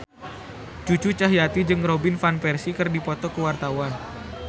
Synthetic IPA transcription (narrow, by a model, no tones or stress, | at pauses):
t͡ʃut͡ʃut͡ʃaɦijat̪id͡ʒɨŋrobɪnfanfɛrsikɨrdipɔt̪ɔkəwart̪awan